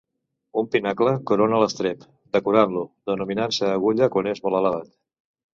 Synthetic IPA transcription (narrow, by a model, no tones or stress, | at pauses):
umpinakləkuɾonələst̪ɾep | d̪əkuɾanluðənuminansəːɣuʎəkwanezmɔlələβat̪̚